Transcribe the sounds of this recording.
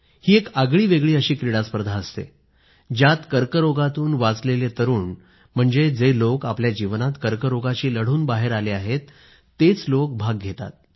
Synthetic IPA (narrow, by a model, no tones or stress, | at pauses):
hiːekaɡɭiːʋeɡɭiːəɕiːkɾiɽaspəɾd̪ʱaəst̪ḛ | d͡ʑjat̪kəɾkəɾoɡat̪uːnʋat͡slelet̪əɾuːn | m̤əɳd͡zed͡zelokapljad͡ʑiʋnat̪kəɾkəɾoɡat͡ɕiːləɽ̤uːnbaɦeɾaleaɦet̪ː | et͡slok̚bʱaɡːʱet̪a̰t̪̚